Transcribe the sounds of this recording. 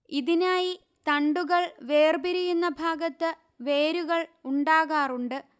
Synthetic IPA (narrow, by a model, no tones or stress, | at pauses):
iðinaːji | t̪ɐɳɖuɣɐɭʋe̞ːrbiɾijunːɐbʱaːɡɐt̪ːɨ | ʋe̞ːɾuɣɐɭuɳɖaːɣaːruɳɖɨ